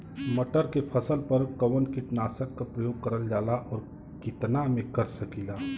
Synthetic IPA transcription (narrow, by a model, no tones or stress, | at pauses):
mɐʈəɾkepʰəsəlpɐɾkəwənkɪʈnaːsəkːapɾəjoːɡ̚kəɾəld͡ʒaːlaʔɔːɾ | kɪt̪namẽkɐɾsəkilaː